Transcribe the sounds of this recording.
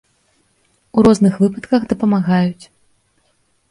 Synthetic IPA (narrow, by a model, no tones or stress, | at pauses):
uɾɔznɨxvɨpɐt̪kɐɣd̪ɐpɐmaɣajut͡sʲ